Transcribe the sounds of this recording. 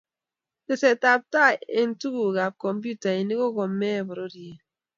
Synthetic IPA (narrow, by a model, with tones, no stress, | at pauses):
te˨se˨ta˨p̚ta˦e˨n̩˦tu˦ɣu˨ɣa˨p̚kɔ˨mp̬u˦ta˨e˨ni˦ko˦ɣo˨mːe˦˨bɔ˨ɾo˦dje˨